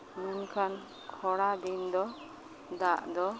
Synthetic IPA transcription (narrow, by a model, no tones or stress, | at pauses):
mɛnkʰan | kʰɔɽad̪ind̪ɔ | d̪aʔd̪ɔ